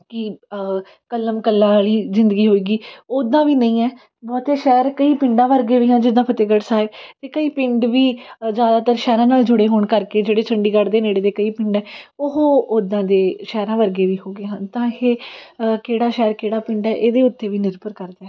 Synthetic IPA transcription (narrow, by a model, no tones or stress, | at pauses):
kɪ | kəlːəmkəlːãːliːzɪnd̪ɡiːɦoːiːɡiːoːd̪ãːʋiːnəĩːɛː | bɔːt̪eːʃɛːɾkəiːpɪ̃ɳɖãːʋəɾɡeːʋiːɦãːd͡ʒɪd̪ãːpət̪ɪɡəʈsaːɪbt̪eːkəiːpɪ̃ɳɖʋiːd͡ʒjaːd̪aːt̪əɾʃɛːɾãːnaːld͡ʒʊɽeːɦoːɳkəɾkeːd͡ʒeːɽeːt͡ʃʰəɳɖiːɡəɽd̪eːneːɽeːd̪eːkəiːpɪ̃ɳɖɛːʊɦoːod̪ãːd̪eːʃɛːɾãːʋəɾɡeːʋiːɦoːɡeːɦãnt̪ãːheːkeːɽaːʃɛːɾkeːɽaːpɪ̃ɳɖɛːʔeːd̪eːʊt̪ːeːʋiːnɪɾpəɾkəɾd̪eɛː